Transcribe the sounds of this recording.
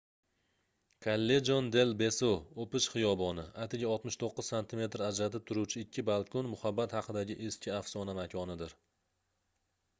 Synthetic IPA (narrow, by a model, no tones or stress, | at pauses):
kʰalːe̞d͡ʒond̪e̞lbe̞soopɪʃχɨjɒbɒnɪat̪ʰɪɡʲaɒlˠt̪mɪʃt̪ʰoqːɨz̥sant̪ʰɪme̞t̪ɾad͡ʒɾat̪ɪp̚t̪ʰʊɾut͡ʃʰɪɪkʲʰːɪbalˠkʰʊnmʊhabːat̪hɑqʰɨd̪aɡʲɪʔeskʲʰɪafsɒnamakʲʰɒnɪd̪ɪɾ